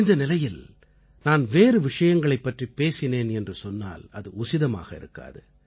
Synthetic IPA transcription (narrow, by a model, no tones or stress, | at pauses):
ɪnd̪ɐnɪlɐjɪl | naːnʋeːɾɯʋɪʂɐjɐŋɡɐɭɐɪpːɐʈripeːsɪneːnɛndrɯsɔnːa̰ːlɐ̰ðɯʊsɪðɐma̰ːɣɐɪ̰ɾɯ̰kːa̰ːðɯ̰